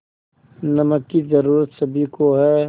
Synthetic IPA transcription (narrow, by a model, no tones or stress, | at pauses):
nɐməkːizəɾuːɾət̪sɐbʱikoɦɛː